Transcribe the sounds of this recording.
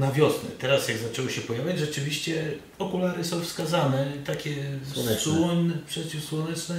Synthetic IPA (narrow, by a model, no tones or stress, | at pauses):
navʲjɔsnɛ̰t̪ɛɾasjaɡzat͡ʂɛwɔɕɛpɔjavʲjad͡ʑʐɛt͡ʂɘvʲiɕt͡ɕɛ | ɔkulaɾɘsɔ̃w̃fskazanɛt̪akʲɛɛswɔɲnɛpʂɛt͡ɕifswɔnɛt͡ʂnɛ